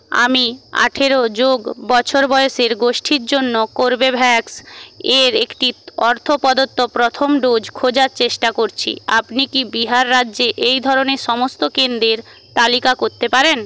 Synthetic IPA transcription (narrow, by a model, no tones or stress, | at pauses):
a̰mia̰ʈʰeɾod͡ʑoɡbɔt͡ɕʰoɾbɔeoʃeɾɡoʃʈʰiɾd͡ʑonːokoɾbebʱɛkseɾekʈiɔɾt̪ʰopɔd̪ot̪ːopɾot̪ʰomɖod͡ʑkʰod͡ʑaɾt͡ɕeʃʈakoɾt͡ɕʰḭapnikibiɦaɾːadːʑeʔejd̪ʱɔɾoneɾʃɔmost̪okend̪ɾeɾ | t̪alikakoɾt̪epaɾen